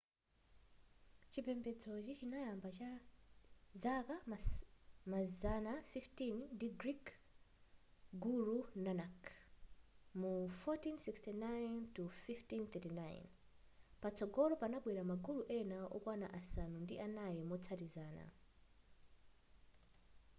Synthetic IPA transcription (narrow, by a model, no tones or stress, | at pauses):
t͡ʃipʰɛmbɛd͡zɔt͡ʃit͡ʃinajambat͡ʃa | zaka | mazanafiftinndiɡɾik | ɡuɾunanak | mufɔtinsikstinajntufiftinθɛtinaj̰n | pat͡sʰɔɡɔlɔpanaɓwɛɾamaɡuluʔɛnaɔ̰kwana̰ʔasanundiʔanajɛmɔt͡sʰatizaːna̰